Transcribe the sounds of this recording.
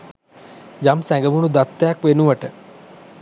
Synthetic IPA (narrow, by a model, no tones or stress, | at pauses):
jamsæŋɡəʋunud̪at̪ːejakʋenuʋəʈə